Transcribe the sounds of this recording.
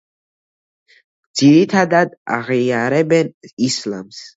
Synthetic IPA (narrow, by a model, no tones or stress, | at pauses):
d̪z̥iɾit̪ʰad̪ad̪a̰ʁiaɾɛbɛnisla̰ms